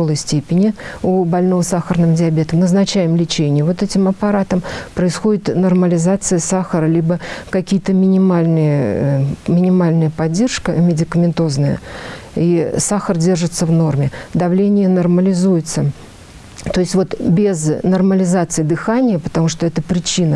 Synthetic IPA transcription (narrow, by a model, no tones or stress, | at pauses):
olˠəjsʲtʲepʲɪnʲɪubɐlʲno̞vəsaxərnɨmdʲɪɐbʲe̞t̪əmnznɐt͡ɕæjɪmlʲɪt͡ɕenʲɪjəvo̞t̪ɛtʲɪmɐpɐɾat̪əmpɾəɪsxodʲɪt̪nərməlʲɪzat̪sɨjəsaxəɾəlʲibəkɐkʲijət̪əmʲɪnʲɪmalʲnɨjə | mʲɪnʲɪmalʲnəjəpɐdʲːe̞rʂkəmʲɪdʲɪkəmʲɪnt̪o̞znəjə̰isaxərdʲe̞rʐɨt̪səvno̞rmʲɪd̪ɐvlʲenʲɪjənərməlʲɪzujɪt̪sə | t̪oɪsʲtʲvo̞t̪bʲɪznɐrməlʲɪzat̪sɨɪd̪ɨxanʲɪjəpə̥t̪ɐmuʂt̪o̞ɛt̪əpɾʲɪt͡ɕinə